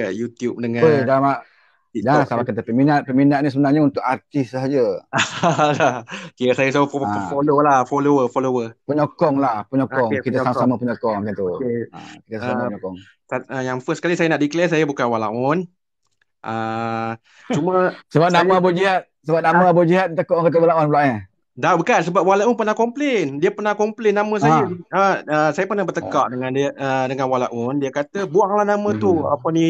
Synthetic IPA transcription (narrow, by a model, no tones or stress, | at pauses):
əjut̪jup̚dəŋãədama | dasabakət̪̬əpəminat̪̚pəminaʔ̪̚nisəbənarɲaunt̪ʊkart̪ɪsɦad͡ʒə | lakiasajəsafololahfoloəfolowəpəɲɔkɔŋlahpəɲɔkɔŋkit̪̬asamasamapəɲɔkɔŋmat͡ʃant̪ua̰kit̪əsamaɲɔkɔŋ | saəjaŋfəskalisajanaʔdiklɛsajabukanwalaɔn | ʔə | t͡ʃumasəbap̚namabod͡ʒiɦat̪̚səbap̚namaabod͡ʒiɦat̪̚t̪əkɔʔŋkat̪̬əwalaunplaʔɲə | dabəkansəbap̚walaʔʊnpərnahkɔmplendiəpərnahkɔmplenːamə̃s̬ajəəəsajəpərnahbərt̪əkaʔdəŋandiəədəŋanwalaʔʊndiəkat̪əbuaŋlahnamə̃t̪uə̰pəni